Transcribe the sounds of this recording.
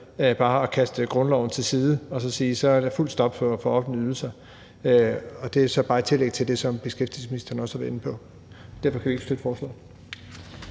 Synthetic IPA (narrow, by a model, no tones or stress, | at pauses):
b̥ɑ̈ːɒkʰæsd̥əɡ̥ʁɔ̽nlɒʊn̩t͡sʰe̝lsiːð̞ˠəɒ̽sɒ̽siːsɒ̽æɐd̥æful̰d̥sd̥ɒ̽b̥fɒ̽fɒ̽ɒ̽fdənəyðˠl̩sɐ | øɒ̽d̥e̝æsɒ̽b̥ɑ̈ːit͡sʰe̝leɡ̥̚t͡sʰe̝ld̥e̝sɒ̽mb̥e̝sɡ̥efd̥isminisd̥ɐn̩ɒ̽sæʋenəpʰɒ̽ | d̥æɐfɒ̽kʰæʋie̝ɡ̥sd̥ød̥fɒːslɔ̰ː